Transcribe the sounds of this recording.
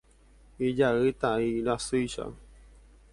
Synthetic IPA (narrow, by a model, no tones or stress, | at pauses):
id͡ʒaɨt̪aiɾasujʃa̰